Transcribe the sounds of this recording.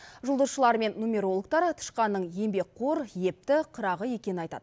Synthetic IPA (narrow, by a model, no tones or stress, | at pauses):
ʒʊlˠd̪əzʃəlˠɑɾme̞nːumʲe̞ɾo̞lˠək̚t̪ɑɾt̪ʰə̥ʃqɑnːəɴje̞mbe̞k̚qʰoɾje̞p̚t̪ɪqʰəɾɑʁəje̞kʲe̞nɪnɑjt̪ɑ̰d̪ə